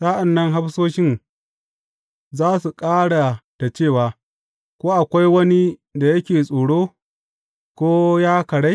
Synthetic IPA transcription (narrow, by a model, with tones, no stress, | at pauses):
saː˦ʔa˨nːɐ˦ŋɦa˦ɸsoː˦ʃɪ˦ŋ | zaː˦su˨kʼaː˦ɽa˨ta˨t͡ʃeː˦˨waː˨ | kʷoː˦ʔa˨kʷa˦jwɐ˦ni˦da˨jɐ˦kʲeː˨sʼoː˨ɽoː˦ | kʷoː˦jaː˦kɐ˨ɽa˦j